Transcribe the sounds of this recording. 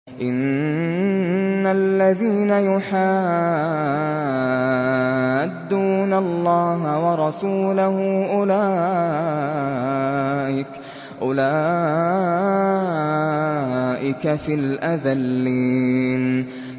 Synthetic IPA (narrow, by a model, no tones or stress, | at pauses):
ʔɪn | alːaðiːnajʊħaː | had̪ːuːnalːɑːɦawɑɾˤɑsuːlaɦʊʔʊlaː | ʔɪk | ʔʊlaː | ʔɪkafiːlʔaðalːiːn